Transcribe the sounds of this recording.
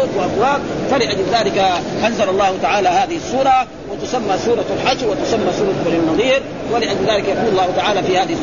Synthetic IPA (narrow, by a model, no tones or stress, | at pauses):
oːt̪waʔafwaːb̪̚falɪʔad͡ʒlðaːlɪkaʔanzalɑlˤːɑːhʊt̪aʕaːlaːhaːðɪhɪsˤːuːɾˤɑ | wɪt̪ʊsamːaːsuːɾˤɑlħad͡ʒwɪt̪ʊsamːaːsuːɾˤɑanːɑðˤiːɾ | walɪʔad͡ʒlðaːlɪkajɑquːlɑlˤːɑːhʊt̪aʕaːlaːfiːhaːðɪh